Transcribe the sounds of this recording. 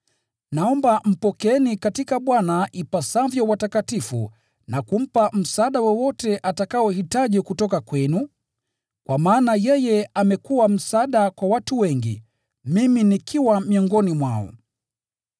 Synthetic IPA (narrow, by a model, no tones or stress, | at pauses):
naɔmbam̩pɔkɛnikatikaɓwanaipasavjɔwatakatifṵ | nakum̩pam̩saɗawɛwɔtɛʔatakaɔhitaʄɛkutɔkakwɛnu | kwʔamaːnajɛjɛamɛkuwam̩saɗakwawatuwɛŋɡḭ | miminikʰiwamiɔŋɡɔnimwaɔ̰